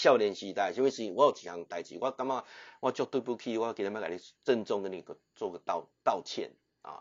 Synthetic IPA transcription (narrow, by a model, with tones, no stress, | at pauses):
ɕja˥˧ʊljɛ˧˨nɕi˧t̪a˥˨ɪi˦nwe˥˩ʂ̩˧˨wa˧˦jt͡ɕʰi˨kʰa˨˧˦ŋt̪a˨˩ɪt͡ɕḭ˨wʔa˦ka˥˦ŋma˥˧wʔa˦t͡ɕjɔ˥˧t̪wu˥˧pu˥˧kʰi˥˧wa˦˧kn˧˦mã˦˥ka˨i˦t͡sə˥˧nt͡sɔ˥˧ŋkə˦nːĩ˨kə˨ | t͡swɔ˥˧ɡə˨t̪a˥˨ʊt̪a˥˧˨ʊt͡ɕʰjɛ̰˥˨n | a̰˨˩